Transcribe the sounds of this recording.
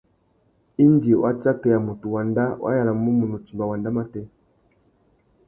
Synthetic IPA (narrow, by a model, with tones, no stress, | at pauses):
i˦ndi˨wa˦t͡ʃa˦tɛ˨ja˨mu˨tu˨wa˨nda˦wʔa̰˦ja˨la˨m˨˦u˦mu˨nu˨t͡ʃi˨mba˨wa˨nda˦ma˦tɛ˦